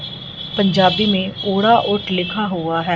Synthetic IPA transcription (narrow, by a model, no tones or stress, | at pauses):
pəɲd͡ʒaːbiːmẽːoːɽaːʔʊʈlɪkʰaːɦoːaːɦɛː